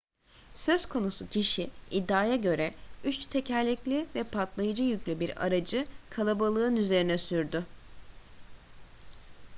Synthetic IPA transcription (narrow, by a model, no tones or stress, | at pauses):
sø̞zkʰo̞nusucʰiʃiid̪ːaːjaɟø̞ɾɛyt͡ʃt̪ʰe̞cʰælʲːiclʲivɛpʰat̪lˠajɯd͡ʒɯjyclʲybiɾa̰ɾad͡ʒɯkʰalˠabalˠɯnyze̞ɾinɛsyɾd̪ʏ